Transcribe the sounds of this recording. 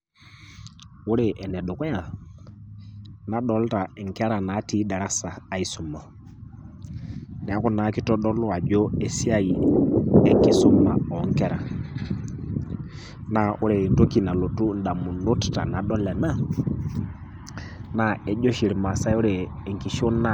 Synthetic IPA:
u˦ɾe˨ʔɛ˨nɛ˨ɗo˨kɔ˦a˨ | na˨ɗɔ˨lta˨ɛ˨ŋkɛ˦ɾa˨na˨˦ti˦da˨ɾa˦saː˨i˦su˨mɔ˨ | nɛ˨a˦ku˦na˨ki˦tɔ˦ɗɔ˦lɔ˦a˨d͡ʒɔ˦ɛ˨si˦a˦i˨ɛ˨ŋki˦su˦ma̰˨ɔ˨˦ŋ˦kɛ˦ɾa˨ | na˨ʔu˦ɾe˨nto˦ki˨na˨lo˨tu˦n̩˦da˨mu˨no˦tta̰˨na˨ɗɔ˦lɛ˨na˦ | na˨ɛ˨˦d͡ʒɔ˦ʃi˨ɾi˨ma˨sa˦u˦ɾe˨ŋki˨ʃo˦na˦

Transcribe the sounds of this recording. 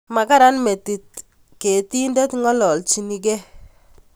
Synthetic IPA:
ma˨ka˦ɾa˦nme˨ti˨t̚ | ke˨ti˦ndɛ˦tŋɔ˦lɔ˨lt͡ʃi˨ni˨k̬e˦

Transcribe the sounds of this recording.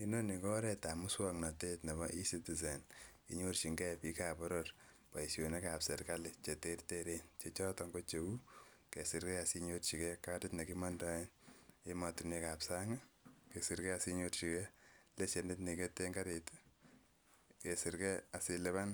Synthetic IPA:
i˦no˦ni˨kɔ˦ɾɛ˧ta˨mu˦swɔŋna˨te˦tne˨bɔ˦ʔi˦siti˨s̬e˨nkḭ˨ɲort͡ʃi˨ŋɡɛ˦pi˦ka˨pɔ˦ɾoɾ | pa˨isjo˨ne˦kapsɛ˨ɾkale˨t͡ʃe˨te˦rte˦ɾe˦nt͡ʃe˦t͡ʃɔ˦tɔ˧ŋɡo˦t͡ʃe˨u˦ke˨sɪ˨ɾkɛ˦a˨si˧ɲo˦tt͡ʃi˨kɛ˦ka˦tɪ˦tne˨kimɔ˦ndɔ˦e˦ne˦ma˨tu˨mne˦ka˨psa˦ŋa˦ke˨si˨ɾkɛ˦a˨siɲo˧rt͡ʃi˨kɛ˦le˦t͡ʃe˨ndɪ˦tni˨ke˦te˦ŋɡa˦ɾe˨t | ke˨sɪ˨ɾkɛ˦a˨sɪ˧le˦βa˦n

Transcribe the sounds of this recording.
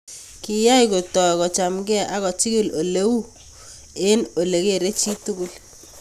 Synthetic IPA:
ki˨ja˦i˨ko˨tɔ˨kɔ˨t͡ʃa˨mɡɛ˦ʔa˨ɣɔ˨t͡ʃi˦ɡi˦˨lo˨le˦wu˦ | e˦no˨le˨ke˦˨ɾe˦t͡ʃi˦tu˦ɡu˦l

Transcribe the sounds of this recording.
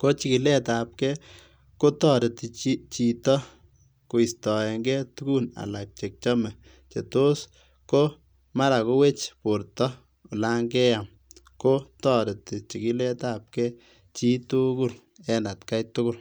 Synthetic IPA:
ko˦t͡ʃi˨ki˨lɛ˦ta˨p̚kɛ˦ | ko˦tɔ˦˨ɾe˨ti˨t͡ʃit͡ʃi˨tɔ˦ | ko˨i˨stɔ˨ɛ˨ŋɡɛ˦tu˦ku˦na̰˨la˨k̚t͡ʃe˨k̚t͡ʃɔ˦mɛ˨ | t͡ʃe˨to˦s | ko˦ | ma˦ɾa˨ko˦we˦t͡ʃpo˨ɾtɔ˦ | u˨la˦ŋɡɛ˦ja˨m | ko˦tɔ˦ɾe˨ti˨t͡ʃi˨ki˦lɛ˦tap̚kɛ˦ | t͡ʃi˦tu˦ku˦˨l | ɛ˦na˨tka˦jtʊ˦kʊ˦l

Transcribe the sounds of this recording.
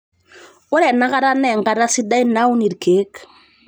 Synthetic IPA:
o˦ɾɛ˨na˦ka˦ɾa˦nɛ˨ŋɡa˨ɾa˦si˦da˦i˦na˦u˦ni˨ɾke˨˦k

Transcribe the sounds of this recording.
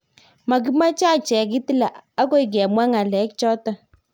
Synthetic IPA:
ma˨k̬i˦ma˦t͡ʃa˦˨t͡ʃɛ˨k̬i˦ti˦la˨a˦ko˦i˨k̬ɛ˨mwa˦ŋa˨lɛ˨˦k̚t͡ʃɔ˦ta˨

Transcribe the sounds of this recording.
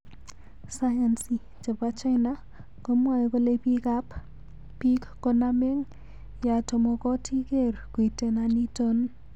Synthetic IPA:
sajansi˨ | t͡ʃa˨pa˦t͡ʃa˦jna | kɔmwa˨jikɔ˦lepikap | pikkɔname˦ŋ | ja˨tɔ˨mɔ˨kɔ˦tʰi˦kerku˨i˨te˨nani˦tɔn

